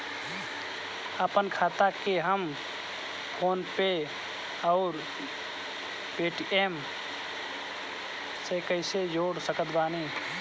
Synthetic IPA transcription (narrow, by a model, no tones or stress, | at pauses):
əpənkʰaːt̪akeɦəm | pʰoːnpe | ɔʊɾ | peːʈieːm | sekəɪsed͡ʒoːɽsəkət̪baːne